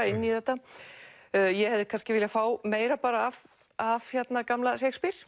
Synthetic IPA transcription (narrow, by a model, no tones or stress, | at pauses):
ɪnːiθɛht̪ːa | jɛhɛvðɪkʰanscɪvɪːljafaːwmeːjɾapaːɾaːv | av̥çjɛt̪nakamlasejkspiɾ̥